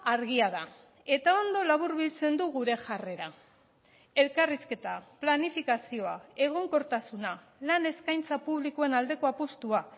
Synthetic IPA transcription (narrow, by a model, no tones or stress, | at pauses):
aɾɣiaða | e̞t̪ao̞nd̪o̞laβ̞uɾβilt͡se̞nd̪uɣuɾe̞ʝare̞ɾa | e̞lkariske̞t̪aplanifikasio̞ae̞ɣ̞o̞ŋko̞ɾt̪asuna | lane̞skajnt͡sapuβlikoe̞nald̪e̞ko̞apost̪ua